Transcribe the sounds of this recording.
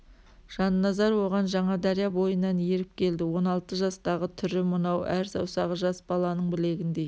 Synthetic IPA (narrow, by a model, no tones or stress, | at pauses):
ʒ̥ɑnːɑzɑɾwo̞ʁɑnʒɑɴɑd̪ɑɾijɑbo̞jənːɑnje̞ɾɪp̚kʲʰe̞ld̪ɪwo̞nɑlˠt̪əʒɑst̪ɑʁət̪ʰʏɾɪmənɑwʔæɾsɑ̰wsɑʁəʒɑsbɑlˠɑnəɴbɪle̞ɡʲɪnd̪e̞